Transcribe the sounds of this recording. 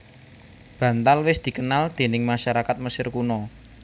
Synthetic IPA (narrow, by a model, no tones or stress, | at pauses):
b̥ä̤nt̪alwɪsd̪̥i̤kənald̪̥e̤nɪŋmaʃaɾakat̪̚məsɪrkunɔ